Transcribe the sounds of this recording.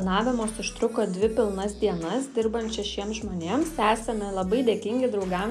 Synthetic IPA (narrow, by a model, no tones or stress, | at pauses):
nɑːʋʲɪmoːsɪʃt̪ɾʊkoːd̪ʲʋʲɪpʲɪlˠnɐsd̪ʲiɛnɐsd̪ʲɪɾbɐnt̪t͡ʃʲɛʃʲiɛmsʒmoːnʲeːmssʲæːsʲɛnɐlˠɐbɐɪd̪ʲeːkʲɪŋʲɡʲɪd̪ɾɒʊɡɐm